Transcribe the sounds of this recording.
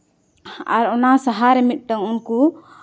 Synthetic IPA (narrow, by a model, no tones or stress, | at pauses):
a̰ɾɔnasaɦaɾɛmit̪̚ˀʈaŋunku